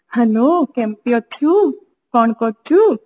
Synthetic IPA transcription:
həlokɛ̃mpijot̪ʰjũ | kɔɳkɔt͡ʃʰũ

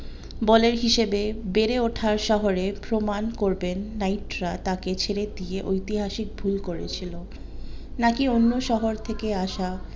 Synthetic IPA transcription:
bɔleɾɦiʃebebeɾeoʈʰaɾʃɔɦoɾepɾomankoɾbenːajʈɾat̪aket͡ɕʰeɾed̪ieʔojt̪iɦaʃik̚bʱulkoɾet͡ɕʰilo | nakionːoʃɔɦoɾt̪ʰekeaʃa

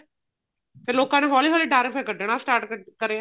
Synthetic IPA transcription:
pʰɪɾloːkãːneɦɔːliːɦɔːliːʈaːɾɪfʰajkəɾɖeːɳasʈaːɾʈkəɾeã

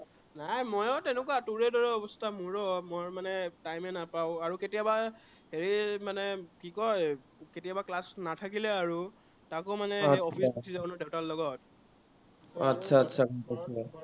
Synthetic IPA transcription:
najmɔjɔtɛnɛkwatuɹɛdɔɹɛɔbɔstʰamuɹɔmɔjɹmanɛtajmɛnapaʊ̃aɹuketijaba | heɹimanɛkikɔj | ketijabaklasnatʰakilɛaɹu | takʊmanɛɔpʰisbtʰizabɔnɔdeʊtalːɔɡɔt̚ | atːsʰatːsʰakɔsɛ

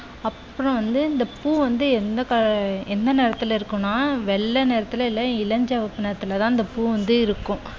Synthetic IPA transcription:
ɐpːɯɾɔ̃ʋɐnd̪ɯɪnd̪ɐpuːʋɐnd̪ɯɛnd̪ɐkɐɛnd̪ɐneːɾɐt̪ːɪlɪɾɯkːʊ̃nːaːʋɛɭːɐneːɾɐt̪ːɯlɐɪlːɐɪlɐɲd͡ʒɐʋɐpːɯneːɾɐt̪ːɯlɐt̪ãːɪnd̪ɐpuːʋɐnd̪ɯɪɾɯkːʊ̃

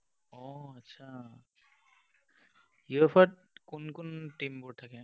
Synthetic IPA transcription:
ɔətːʃʰa | juepʰaʈ̚kʊnkʊnʈimbʊɹtʰakɛ̃

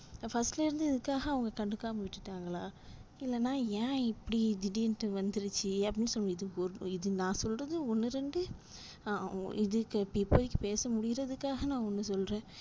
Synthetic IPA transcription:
fɐsʈlɪɾɯnd̪ɯɪðɯkːaːɣɐːʋɐŋɡɐkɐɳɖɯkːaːmɐʋɪʈːɯʈːaːŋɡɐɭaː | ɪlːɛnːaːjãːɪpːɐɽid̪ɪɖiɛnʈːɯʋɐnd̪ɪɾɯt͡ʃːɯɐpɐɽɪnːɯsɔlːɐɪðɯɔɾɪðɯnãːsɔlrɐðɯɔnːɯɾɛɳɖɯ | ɪðɯkːpipoːðɪkːɯpeːsɐmʊɽɪɣɪɾɐðɯkːaːɣɐnãːɔnːɯsɔlɾẽː

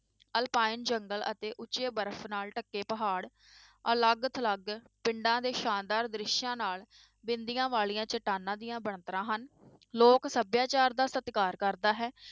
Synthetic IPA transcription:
əlpaːɪnd͡ʒəŋɡələ̰t̪eːʔʊt͡ʃeːbəɾəpʰnaːlʈəkːeːpəɦaːɽ | ələɡət̪ʰləɡ | pɪɳɖãːd̪eːʃaːnd̪aːɾd̪ɾɪʃjãːnaːl | bɪnd̪ijãːʋaːɭijãːt͡ʃəʈaːnãːd̪ijãːbəɳt̪əɾãːɦən | loːksəbjaːt͡ʃaːɾd̪aːsət̪kaːɾkəɾd̪aːɦɛː

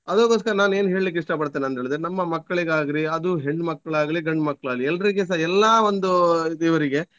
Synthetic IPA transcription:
ɐd̪oːkoːs̬kɐɾɐnaːne̞ːnuɦeːɭlik̬ːiʂʈɐpɐɽt̪ːiːniɐnt̪eːɭid̪ɾenɐmːɐmɐkːɐɭiɡaːɡɾiɐd̪uɦeɳɖmɐkːɐɭaːɡɐliɡɐɳɖmɐkːɐɭaːlːiɛlːɐɾiɡes̬aɛlːaːʋond̪ud̪iːʋɐɾiɡe̞

